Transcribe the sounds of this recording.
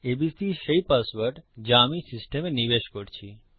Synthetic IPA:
ebisiʃejpasbəɾʈd͡ʑamisisʈemenibeʃkoɾt͡ɕʰi

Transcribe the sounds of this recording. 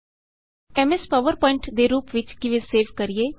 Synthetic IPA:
ɛmɛspəʋəɾpɔːɪɳʈd̪eːɾuːpʋɪt͡ʃkɪʋeseːʋkəɾieː

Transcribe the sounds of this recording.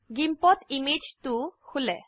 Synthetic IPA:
ɡimpɔt̪imid͡ʒt̪ukʰule

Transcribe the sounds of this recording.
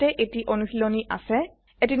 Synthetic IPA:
tɛʔetiʔonusiloniʔa̰sɛ | etin

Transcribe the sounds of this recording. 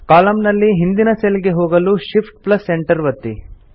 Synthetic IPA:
kaːlɐmnɐlːiɦind̪inɐselɡe̞ɦoːɡɐluʃipʰʈ̚plɐsːeɳʈɐɾʋɐt̪ːḭ

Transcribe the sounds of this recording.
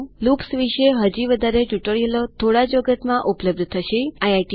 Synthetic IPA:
lupsʋiʃeɦəd͡ʒiʋəd̪ʱaɾet͡ʃuʈəɭielot̪ʰoɽad͡ʒoɡət̪mãʔupləb̚d̪ʱt̪ʰəʃeajajʈi

